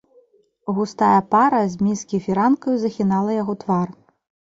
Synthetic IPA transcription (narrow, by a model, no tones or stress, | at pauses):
ɣust̪ajɐpaɾɐzʲmʲiskʲijfʲiɾankɐjuzɐxʲinalˠɐjaɣɔt̪var